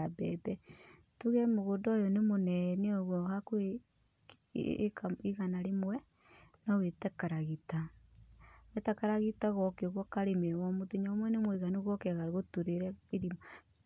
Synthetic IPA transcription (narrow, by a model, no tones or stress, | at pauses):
abɛðɛ | tuɣɛmoɣodɔjɔnemonɛneɔɣwɔhakoe | kaiɣanaɾemwɛ | nawetɛkaɾaɣita | wetakaɾaɣitaɣɔkeoɣɔkaɾemewɔmoðeɲamwɛnemwɛiɣaneɣɔkɛɣaɣotuɾeɾɛeɾima